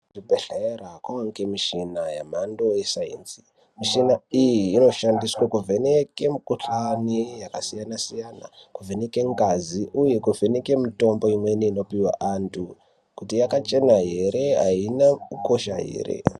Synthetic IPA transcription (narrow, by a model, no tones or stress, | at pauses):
dibʱeɬeerakwawaŋkemiʃinajam̤ando̞jesaḭnzi̥ | miʃinaijiːno̞ʃandiswakuvʱeneke̞mikuɬanijakasijanasijana̰kuvʱeneke̞ŋɡaziʔuje̞kuvʱeneke̞mito̞mbo̞imweniːno̞piwa̰ʔantʰu | kutijakat͡ʃe̞naɦe̞ɾe̞ɦa̰inakuko̞ʃaɦḛːrḛ